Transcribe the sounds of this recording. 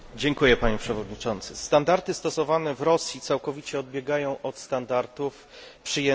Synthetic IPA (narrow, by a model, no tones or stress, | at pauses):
d͡ʑɛŋkujɛpaɲɛpʂɛvɔd̪ɲit͡ʂɔnt̪sɘst̪and̪aɾt̪ɘst̪ɔsɔvanɛvɾɔsʲjit̪sawkɔvʲit͡ɕɛɔd̪̚bʲjɛɡajɔ̃w̃ʔɔt̪st̪and̪aɾt̪uf | pʂɘjɛ